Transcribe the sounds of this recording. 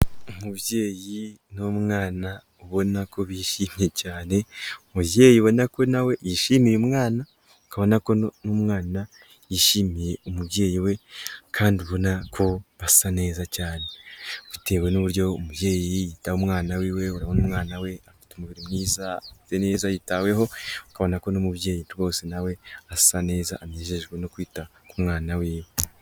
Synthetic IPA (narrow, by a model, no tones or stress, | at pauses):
umuβje̞ːjinomŋaːna | uβo̞nako̞βiʃiːmije̞caːne̞umuβje̞ːjiβo̞nako̞nawe̞jiʃiːmiɾemŋaːna | kaβo̞nako̞nomŋaːna | jiʃiːmiɾe̞umuβje̞ːjiwe̞kʰaːndiuβo̞nakʰo̞βassane̞ːzacaːne̞βite̞ːwe̞nuβuɾjo̞ːmuβje̞ːjiijitahomŋaːnawiːwe̞uɾaβonumŋaːnawe̞afi̥tumuβiɾimniːzaafi̥teneːzajitawe̞ɦo̞ukaβo̞nako̞nomubje̞ːjiɾɡo̞ːsenawe̞assane̞ːza̰ʔːmɲe̞ʃe̞ɡwe̞no̞kwiːtakumŋaːnawiːwe